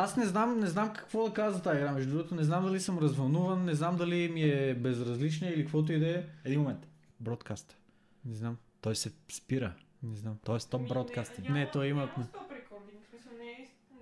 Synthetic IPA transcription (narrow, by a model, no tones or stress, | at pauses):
asnɛznamnɛznamkɐ̥kvod̪ɐkazvɐt̪aːiɡɾamɛʒd̪ɾuɡot̪onɛznamd̪ɐlisəmɾɐzvɐlˠnuvɐnːɛznamd̪ɐlimiɛbɛzɾɐzlit͡ʃnəilikvɔt̪oid̪ɛɛd̪inmomɛnt̪ | bɾɔt̪kast̪ə̥ | nɛznamt̪ɔjsɛspiɾə | nɛznamt̪ɔɛst̪ɔp̚bɾɔt̪kast̪inɛt̪ɔɛimɐ